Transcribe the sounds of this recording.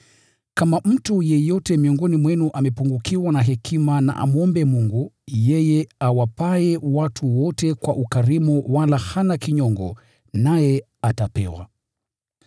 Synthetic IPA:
kamam̩tujɛjɔtɛmiɔŋɡɔnimwɛnuʔamɛpuŋɡukiwanaɦɛkʰimana̰ʔa̰muɔmbɛmuŋɡujɛjɛawapaɛwatʰuwɔtɛkwaʔukaɾimuwalahanakiɲɔŋɡɔ̰ | najɛ | atapɛ̰wa̰

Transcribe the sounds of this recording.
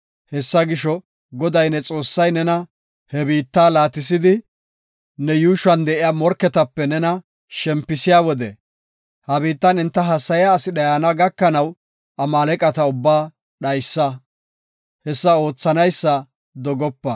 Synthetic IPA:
hɛsːɐɡɪʃɔ | ɡɔd̪ɐjnɛt͡sʼo̞ːsːɐjnɛnɐ | hɛbiːt̪ːaːlaːt̪ːɪs̬ɪd̪ɪ | nɛjuːʃwɐnd̪ɛʔɪjaːmɔɾkːɛt̪ɐpːɛnɛnɐ | ʃɛmpːɪsɪjaːwɔd̪ɛ̰ | hɐbiːt̪ːɐnɪnt̪ːɐɦɐsːɐjaːsɪɗɐjaːnɐɡɐkːɐnɐw | ɐmaːlɛkʼɐt̪ɐʊbːaː | ɗɐjsːɐ | hɛsːɐo̞ːt͡sːɐnɐjsːɐ | d̪ɔɡɔpːɐ

